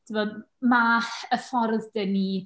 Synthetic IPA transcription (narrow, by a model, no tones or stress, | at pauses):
tʰɪvɔd | maħəfɔrðdəni